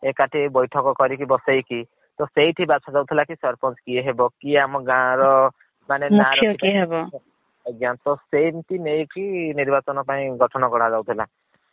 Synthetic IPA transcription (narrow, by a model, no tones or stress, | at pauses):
ekaʈʰibɔjʈʰɔkɔkɔɾikibɔsejki | t̪ɔsejʈʰibat͡ʃʰad͡ʒawt̪ʰilakisɔɾpɔnskieɦebɔkiamɔɡãɾɔ | manemnuakɾʰɔjɔikiɦebɔ | ɔɡjant̪ɔsejnt̪ʰinejkiniɾbat͡ʃɔnɔpaĩɡʱɔʈʰɔnɔɡɔɽ̃ad͡ʒawt̪ʰila